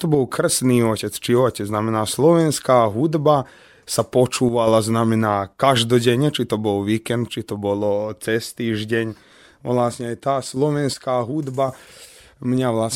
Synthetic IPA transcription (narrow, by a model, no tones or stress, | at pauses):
t̪ɔbɔlˠkr̩sniːɔcɛt͡st͡ʃiɔcɛd͡znamɛnaːslɔʋɛnskaːɦud̪ba | sapɔt͡ʃuːʋalaznamɛnaːkaʒd̪ɔɟɛɲɛt͡ʃit̪ɔbɔlʋiːkɛnt̪̚t͡ʃit̪ɔbɔlɔt͡sɛst̪iːʒɟɛɲ | ʋlasɲɛajt̪aːslɔʋɛnskaːɦud̪ba | mɲaʋlas